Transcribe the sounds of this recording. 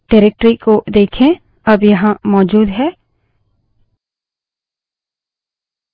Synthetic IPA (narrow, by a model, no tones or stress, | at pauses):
ɖɛːɾek̚ʈɾikːod̪eːkʰẽ | ɐbjɐɦãmɔːd͡ʒuːd̪ɦɛː